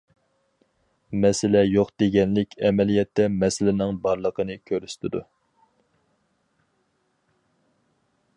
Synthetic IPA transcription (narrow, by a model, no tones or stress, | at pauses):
mɛsɪlɛjoqd̪̥eɡʲɛnlɪkʲʰɛmɛlijɛt̪ːɛmɛsɪlɪnɪŋbɑɾlˠəqʰənɨkʲʰøɾyst̪ʰɪd̪ṵ